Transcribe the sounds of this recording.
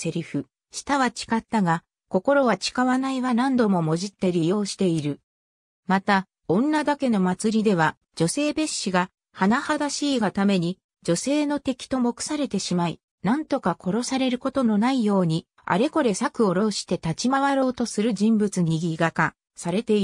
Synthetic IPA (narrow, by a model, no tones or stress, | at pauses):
se̞ɾʲiɸɯ̟ | ɕi̥t̪aβat͡ɕi̥kat̪ːaɡa | ko̞ko̞ɾo̞βat͡ɕi̥kaβanaiβanãnd̪o̞mo̞mo̞ʑit̪ːe̞ɾʲijo̞ːɕi̥t̪e̞iɾɯ̟ | mat̪a | õ̞nːad̪ake̞no̞mat͡sɨɾʲid̪e̞β̞a | d͡ʑo̞se̞ːbe̞ɕːiɡa | hanahad̪aɕiːɡat̪ame̞ɲ̟i | d͡ʑo̞se̞ːno̞t̪e̞kʲi̥t̪o̞mo̞kɯ̟̥saɾe̞t̪e̞ɕimai | nãnt̪o̞kakʰo̞ɾo̞saɾe̞ɾɯ̟ko̞t̪o̞no̞naijo̞ːɲ̟i | a̰ɾe̞ko̞ɾe̞sakɯ̟o̞ɾo̞ɕi̥t̪e̞t̪at͡ɕimaβaɾo̞ːt̪o̞sɨɾɯ̟ʑĩmbɯ̟t͡sɨɲiɡʲiɡaka | saɾe̞t̪e̞i